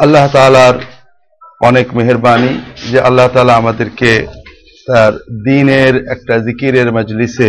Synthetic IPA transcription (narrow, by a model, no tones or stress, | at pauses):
ɐlːaɦt̪aːlaɾ | ɔːneːkmeɦɪɾbaːnid͡ʒeʔɐlːaɦt̪aːlamɐd̪ɪɾke | t̪ɐɾd̪iːneɾeːk̚ʈazɪkiɾeɾmɐd͡ʒlɪse